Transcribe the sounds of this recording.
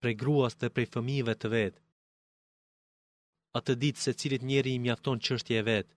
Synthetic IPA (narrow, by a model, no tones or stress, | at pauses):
pɾɛjɡɾuasðɛpɾɛjfəmivɛt̪əvɛt̪ | at̪əd̪it̪sɛt͡silit̪ɲɛɾimjaft̪ɔnt͡ʃəʃt̪jɛːvɛt̪